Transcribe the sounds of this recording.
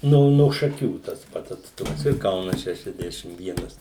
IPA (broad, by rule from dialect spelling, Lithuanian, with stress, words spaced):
ˈnoː noː ʃɐˈkʲuː tɐs ˈpɐts ɐtsˈtʊmɐs ɪr ˈkɐʊnɐs ˌʃʲæːʃʲɛzʲˈdʲæːʃʲɪm ˈʋʲiɛnɐs